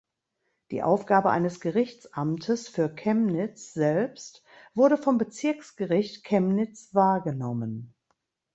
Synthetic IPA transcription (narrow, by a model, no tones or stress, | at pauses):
d̥ḭːʔaʊfɡ̥aːbəʔa̰ɪnəsɡ̥əʁɪçt͡sʔamtʰəsfyːɐkʰɛmnɪt͡sz̥ɛlpst | v̥ʊɐɾəfɔmbət͡sɪɐksɡ̥əʁɪçtkʰɛmnɪt͡sv̥aːɐɡənɔmən